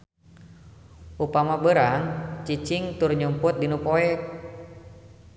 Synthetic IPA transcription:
ʔupamabəɾaŋt͡ʃit͡ʃiŋt̪ʊrɲumpʊt̪̚dinupoɛk̚

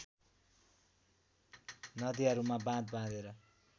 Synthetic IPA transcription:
nʌd̪iʌɾumabãd̪bãd̪eɾʌ

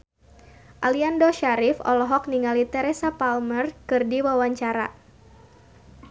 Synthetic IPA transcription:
ʔaliandoʃaɾɪfɔ̰lɔɦɔk̚niŋalit̪ɛɾesapalmərkɨrdiwawaɲt͡ʃaɾa̰

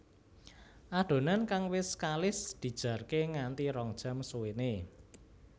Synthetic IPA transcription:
ʔad̥o̤nankaŋwɪskalɪsd̪̥i̤d̥ʒ̥a̤rkeŋant̪iɾɔŋd̥ʒ̥a̤msuwene

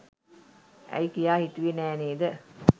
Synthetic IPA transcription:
ʔæ̰jkijaːhit̪uʋenæːneːd̪ə

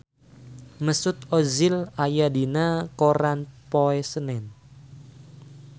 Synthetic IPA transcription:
məsʊt̪̚ɔzɪlajadinakoɾanpoɛsənɛn

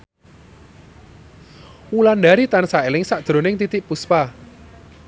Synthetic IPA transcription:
wuland̪aɾit̪ansaelɪŋsaʔd̥ɾo̤nɪŋt̪it̪ɪʔpuspa

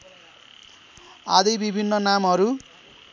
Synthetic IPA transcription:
a̰d̪ʌjbibʱinːʌnamɦʌɾu

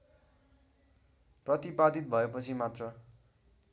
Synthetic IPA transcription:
prʌt̪ipad̪it̪̚bʱʌepʌt͡sʰimat̪rʌ

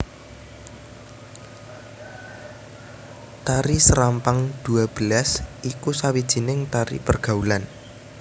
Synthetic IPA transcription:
t̪aɾisəɾampaŋd̪̥ṳab̥əlasʔikusawid̥ʒ̥i̤nɪŋt̪aɾḭpərɡ̥a̤ulan

